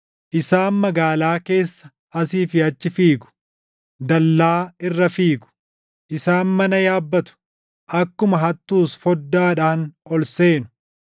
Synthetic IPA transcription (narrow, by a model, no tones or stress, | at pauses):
ʔɪsaːnmɐɡaːlaːke̞ːsːɐ̥ | ɐsiːfɪɐt͡ʃːɪfiːɡʊ̥ | d̪ɐlːaːɪrːɐfiːɡʊ̥ | ʔɪsaːnmɐnɐjaːbːɐt̪ʊ̥ | ʔɐkːʊmɐɦɐt̪ːuːsfɔd̪ːaːᶑaːnɔlse̞ːnʊ̥